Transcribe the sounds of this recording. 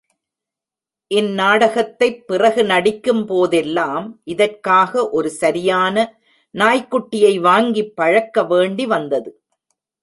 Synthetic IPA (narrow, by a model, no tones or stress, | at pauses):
ʔɪnːaːɽɐɣɐt̪ːɐɪpːɪrɐɣɯnɐɽɪkːɯmpoːðɛlːaːmʔɪðɐrkaːɣɐʔɔɾɯsɐɾɪjaːnɐ | naːjkːʊʈːɪjɐɪʋaːŋɡipːɐɻɐkːɐʋeːɳɖiʋɐnd̪ɐðɯ